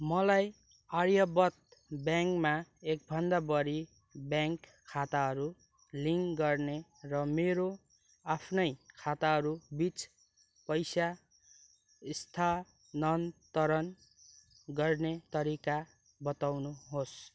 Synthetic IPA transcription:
mʌlaj | ʌɾjʌbʌt̪̚bjaŋkmaek̚bʱʌnd̪abʌɾi | bjaŋkʰːat̪aɦʌɾu | liŋɡʌrnerʌmeɾo | apʰnʌjkʰat̪aɦʌɾubit͡s | pʌjsa | ist̪ʰa | nʌnt̪ʌɾʌn | ɡʌrnet̪ʌɾika | bʌt̪awnuɦos

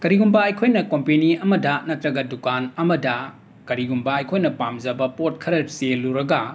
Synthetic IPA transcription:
kɐɾiɡumbaɐjkʰojnɐkompeniɐmɐdɐnɐtɾɐɡɐdukanɐmɐdɐ | kɐɾiɡumbaɐjkʰojnɐpamzɐbɐpot̚kʰɐɾɐɾseluɾɐɡɐ

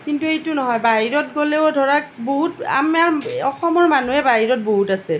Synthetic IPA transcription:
kintuetunɔɦɔjbaɦiɹɔt̚ɡolɛdʱɔɹak̚boɦuta̰maɹɔxɔmɔɹmanuɛbaɦiɹɔt̚boɦutasɛ

